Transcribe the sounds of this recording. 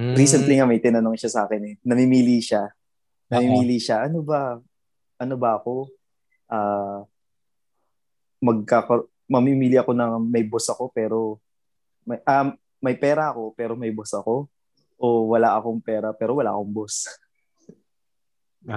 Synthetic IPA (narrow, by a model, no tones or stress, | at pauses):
ɾiːsɛnt̪liŋamɐjt̪ɪnɐnoŋʃasɐaːkɛnɛnɐmɪmiːliʃa | nɐmimiːliʃaʔɐnobɐ | ʔɐno̞bɐɐko̞ | ʔaː | mɐɡ̚kakɐ | mɐmimiːlɪʔɐko̞nɐŋmɐjbo̞sɐko̞pɛːɾo̞ | mɐʔa | mɐjpɛːɾɐʔɐko̞pɛːɾo̞mɐjbosɐko̞ | ʔowɐlaʔɐko̞ŋpɛːɾɐpɛːɾo̞wɐla̰ʔɐ̰ko̞ŋbo̞s